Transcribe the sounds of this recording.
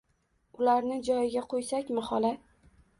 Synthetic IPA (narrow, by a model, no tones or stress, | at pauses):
ʊlaɾnɪd͡ʒɒjɪɡʲaqʰojsakʲmɪhɒla